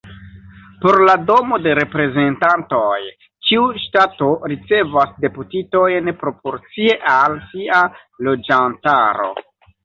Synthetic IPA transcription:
po̞ɾlado̞mo̞de̞ɾe̞pɾe̞ze̞ntanto̞j | t͡ʃiuʃtato̞ɾit͡se̞vasde̞putito̞jnpɾo̞po̞ɾt͡sie̞ʔalsiʔa | lo̞d͡ʒantaɾo̞̰

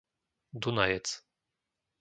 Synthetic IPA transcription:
d̪unajɛt͡s

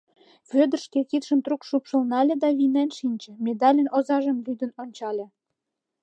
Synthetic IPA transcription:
βød̪ə̆rʃkekit̪ʃənt̪rukʃupʃə̆lnɑlʲed̪ɑβinænʃinʲt͡ɕĕmed̪ɑlʲənozɑʒəmlyd̪ə̆nonʲt͡ɕɑlʲĕ

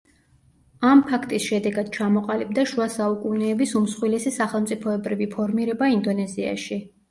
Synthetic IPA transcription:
ampʰakʰt̪ʼisʃɛd̪ɛɡad̪̥̚t͡ʃʰamɔqʼalib̚d̪aʃuasaukʼunɛːbisumsχwilɛsisaχɛlˠmt̪sʼipʰɔɛbɾivipʰɔɾmiɾɛbaind̪ɔnɛzia̰ʃi

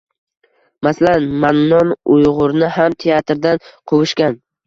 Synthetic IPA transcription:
masalanmannɒnʊjʁʊɾnɪɦamt̪ʰeat̪ɾd̪anqʰowʊʃkʲan

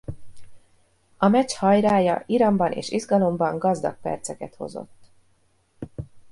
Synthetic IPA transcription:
ɒmɛchɒjɾaːjɒ̰ʔiɾɒmbɒnʔḛːʃizɡɒlo̞mbɒŋɡɒzd̪ɒk̚pɛ̰rt̪sɛkɛt̪ho̞̰zo̰t̪ː

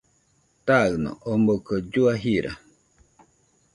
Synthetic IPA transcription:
t̪aɯnõ̰ʔombokəd͡ʒuaɦiɾʔa̰

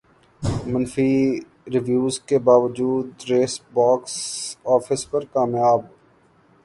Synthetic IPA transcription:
mɐnfi | ɾɪʋjuːzkebaːʋəd͡ʒuːd̪ɾeːsbaːksɔːfɪspɐɾkaːmjaːb

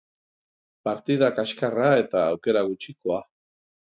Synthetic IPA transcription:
paɾt̪iðakaʃkarae̞t̪aːwke̞ɾaɣut͡ʃiko̞a

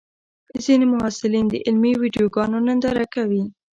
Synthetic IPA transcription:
zinemʊɦhɑsɪlind̪əʔɪlmiwiɖijoɡɑnonənd̪aɾakawi

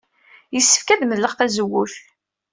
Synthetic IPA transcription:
jəsːə̥fkæðməðlːəʁθæzəwːuθ

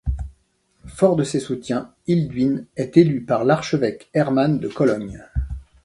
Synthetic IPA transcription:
fɔʁd̪əsesut̪jɛ̃ | ild̪ɥinɛt̪elypaʁlaʁʃəvɛkɛʁmand̪əkɔlɔɲ

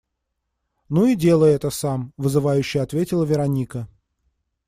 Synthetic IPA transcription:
nuidʲe̞lˠəjɛt̪əsamvɨzɨvajʉɕːɪjɐt̪vʲetʲɪlˠəvʲɪɾɐnʲikə

